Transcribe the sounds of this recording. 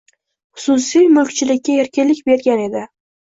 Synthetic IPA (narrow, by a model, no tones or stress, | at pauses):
χʊ̥sʊsijmʊlkt͡ʃʰɪlɪkʲːaeɾkʲɪnlɪkʲbe̞ɾɡʲane̞d̪ɪ